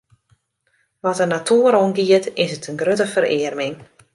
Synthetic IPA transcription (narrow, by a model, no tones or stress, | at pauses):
ʋɔtənatʰuəɾonɡiətɪsətənɡrøtəfəɾɪərmɪŋ